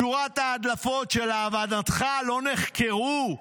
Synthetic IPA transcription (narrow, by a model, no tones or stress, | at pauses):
uʁat̪aːd̪lafo̞tʃelavad̪at̪χalo̞neχkʰeʁu